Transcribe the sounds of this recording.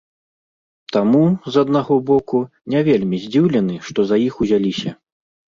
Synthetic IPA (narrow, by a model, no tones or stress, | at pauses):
t̪amuzɐd̪naɣɔbɔku | nʲavʲelʲmʲizʲd͡zʲiwlʲɛnɨʂt̪ɔzajixuzʲalʲisʲɐ